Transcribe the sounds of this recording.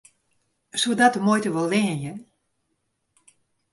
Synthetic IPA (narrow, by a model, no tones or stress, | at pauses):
sudatəmojtəʋɔlˠʋɪənjən